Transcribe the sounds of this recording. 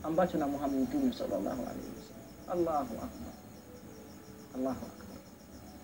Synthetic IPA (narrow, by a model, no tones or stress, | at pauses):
ãm̩bat͡ʃʰʊnamʊɦamːad̪t̪uniasɔ̰lːɑ̰lːa̰ːɦʊ̰a̰lḛhɪ̰wasalːmʔalːaːɦʊʔakba̰ɾ | ɐlːaːɦʊʔa̰kbaɾ